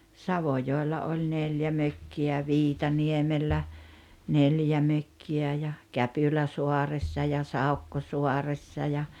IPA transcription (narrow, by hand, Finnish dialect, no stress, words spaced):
sɑʋojoˑelːɑ olʲ neljæ møkːiæ jɑ ʋiːtɑniemelːæ neljæ møkːiæ jɑ kæpylæsuɑresːɑ jɑ sɑukːosuɑresːɑ jɑ